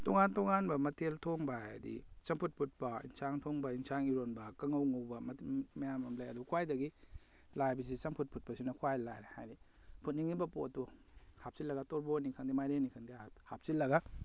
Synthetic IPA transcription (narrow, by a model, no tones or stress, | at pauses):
toŋantoŋanbɐmɐtʰeltʰoŋbajdḭsɐŋpʰut̚pʰut̚pɐḭnsaŋtʰoŋbɐinsaŋiɾonbɐkɐŋɐwŋowbɐmmɐjamɐmlajɐdubɐkʰwajdɐɡi | lajbɐs̬isɐŋpʰut̚pʰut̚pɐsinɐkʰuwajlajɾehajni | pʰut̚niŋibɐpotːu | hap̚silːɐɡatoɾbonikʰaŋdimajɾenikʰaŋdiahap̚silːɐɡa